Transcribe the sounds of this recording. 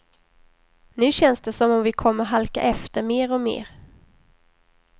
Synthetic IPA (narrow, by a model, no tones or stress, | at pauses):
nʉ̟ːɕɛnsd̪ɛsɔmɔmvɪkʰɔmːəɾɦalka̰ʔɛft̪əɾmeːɾɔmḛːɾ